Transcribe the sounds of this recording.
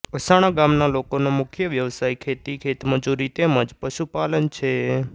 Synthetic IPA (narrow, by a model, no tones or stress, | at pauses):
əsaɽ̃aɡãmnalokonomʊkʰjəʋjəʋsaːikʰet̪ikʰet̪məd͡ʒuɾit̪emə̃d͡ʒpəʃupalənt͡ʃʰe